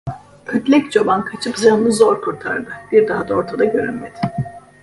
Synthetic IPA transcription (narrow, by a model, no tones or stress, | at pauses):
øt̪lʲɛct͡ʃʰobankʰat͡ʃʰɯpzanɯnɯzoɾkʰuɾt̪ʰa̰ɾd̪ɯb̥iɾd̪aɦad̪ao̞ɾt̪ʰad̪aɟøɾynmed̪ɪ̥